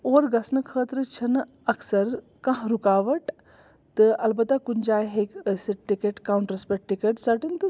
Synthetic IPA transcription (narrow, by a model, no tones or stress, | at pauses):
oːɾɡɐsnɨkʰəːt̪ɾɨt͡ʃʰɐn | ɐksɐɾ | kɐ̃ɦɾukaːʋɐʈ | t̪ɨɐlbɐt̪akund͡ʒaːjɦeːkəsiʈikeʈkaːwɳʈɾɐspeʈ̚ʈːikeʈsɐʈint̪ɨ